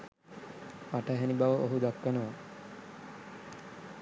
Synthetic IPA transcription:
paʈaɦɛnibaʋoʔoɦud̪akːanoʋa

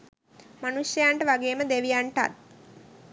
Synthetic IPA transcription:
manusjɐjaɳʈəʋaɡeːməd̪eʋijaɳʈa̰t

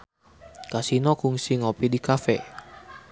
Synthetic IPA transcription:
kasinɔkuŋsiŋopidikafɛ̰

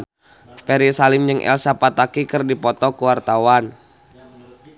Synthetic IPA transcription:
pɛɾisalɪmd͡ʒɨŋʔɛ̰lsapat̪akikɨrdipɔt̪ɔkuwart̪awan

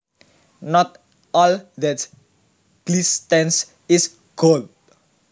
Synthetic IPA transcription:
nɔt̪̚ | ɔld̪ɛt | ɡ̥list̪ɛns | is | ɡ̥old̚

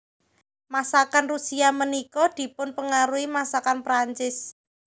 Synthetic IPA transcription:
masakanrusiamənikɔd̪̥i̤pʊnpəŋaɾuimasakanpɾaɲt͡ʃɪs

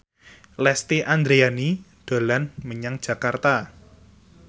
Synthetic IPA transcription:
lɛst̪iʔand̪ɾeaniɖ̥alanməɲaŋd̥d͡ʒʒ̥a̤kart̪a

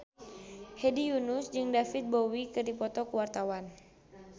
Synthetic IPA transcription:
hedijunusd͡ʒɨŋdafit̪̚bowikɨrdipɔt̪ɔkəwart̪awan

